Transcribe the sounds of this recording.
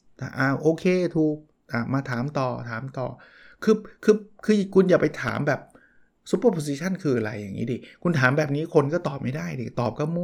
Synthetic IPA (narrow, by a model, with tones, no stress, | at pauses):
a̰˧˩ʔa˧˩ʔoː˧kʰeː˧t̪ʰuː˨˩k̚ | t̪a˧˩maː˧t̪ʰaː˩˦mt̪ɔː˨˩t̪ʰaː˨˩˦mt̪ɔː˨˩ | kʰɯː˧kʰɯː˧kʰɯː˧kʰu˧njaː˨˩pa˧jt̪ʰa̰ː˩˦mbɛː˨˩p̚ | su˧˦˥pːə˥˩pʰo˧s̬i˧t͡ɕʰa˥˩nkʰɯː˧ʔa˧ɾa̰˧jːa˨˩ŋḭ˦˥di˧˩kʰu˧nt̪ʰaː˩˦mbɛː˨˩p̚niː˦˥kʰo˧nkɔː˥˩t̪ɔː˨˩p̚ma˥˩daː˥˩jdi˧˩t̪ɔː˨˩p̚kʰa˥˩mu˥